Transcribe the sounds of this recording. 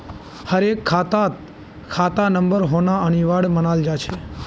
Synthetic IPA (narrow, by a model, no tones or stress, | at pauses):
həɾekʰːat̪at̪ | kʰat̪anəmbəɾɦonaəniʋaɽmənald͡ʒat͡ʃʰe